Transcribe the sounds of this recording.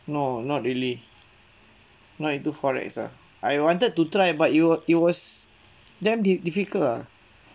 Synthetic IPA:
nonɔt̚ɹili | nɔtĩnt̪ufɔɹɛ̰ksa̰ | ajwãntəd̚tutɹajbatiwɔit̚wɔs | dɛ̃mdidifikəla

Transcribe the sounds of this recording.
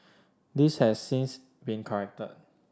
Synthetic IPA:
dishɛsːĩns | bĩnkʰəɹɛk̚tə̰t̚

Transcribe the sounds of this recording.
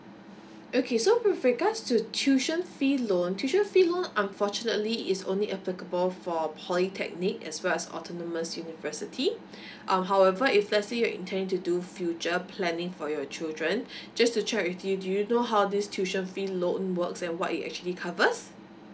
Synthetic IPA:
ʔokʰesowɪfɹiɡatstutʰjuʃə̃nfilõntʰjuʃə̃nfilõnãnfɔt͡ʃunətliɪtsõ̰nliʔɛplikəbəlfɔpʰɔlitʰɛ̰k̚nikɛ̰swɛlɛsɔ̰tʰɔnəməsjunivəsitʰi | ʔãmɦawɛvəiflɛsijɔḭ̃ntʰɛ̃ndɪ̃ŋtudufjut͡ʃəpʰlɛ̃nɪ̃ŋfɔjɔt͡ʃildɹə̃nd͡ʒastut͡ʃʰɛkwɪtudujunoɦawdistʰjuʃə̃nfilõnwəksɛ̃nwɔtḭtɛ̰k̚t͡ʃuəlikʰavəs

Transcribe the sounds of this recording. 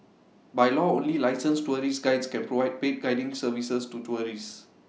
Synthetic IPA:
bajlɔõnlilaɪsə̃nstuəɹisɡaɪdskɛ̃npɹovaɪjd̚pet̚ɡaɪdɪ̃ŋsəvisəstutuəɹis

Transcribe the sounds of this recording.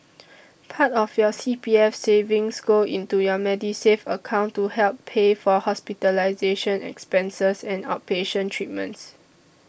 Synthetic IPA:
pʰatɔfjɔsipiɛfsevĩŋsɡoĩntujɔmɛdisefəkʰãʊ̃ntːuhɛlpʰːefɔhɔspitəlaɪzeʃə̃nɛ̰kspɛ̃nsəsɛ̃nat̚peʃə̃ntʰɹit̚mə̰̃nts

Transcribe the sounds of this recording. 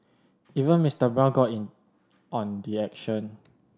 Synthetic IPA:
ivə̃nmistəbɛlɡɔtĩn | ɔ̃nɹiɛkʃə̃n

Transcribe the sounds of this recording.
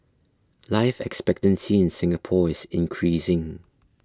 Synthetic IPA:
laɪfɛ̰kspɛk̚tə̃nsiɪ̃nsɪ̃ŋəpʰɔɪsɪ̃nkʰɹisɪ̃ŋ

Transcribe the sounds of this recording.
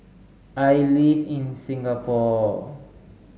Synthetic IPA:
ajlivĩnsĩŋɡapɔ

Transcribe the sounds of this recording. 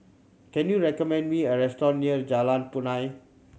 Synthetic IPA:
kɛ̃njuɹɛkɔmɛ̃ndmiəɹɛstɔ̃nːiəd͡ʒalãnpunãj

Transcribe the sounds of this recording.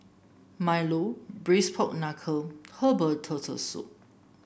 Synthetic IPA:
majlobɹispʰɔk̚nakʰəhəbətʰːətʰə̰sṵʔ̚

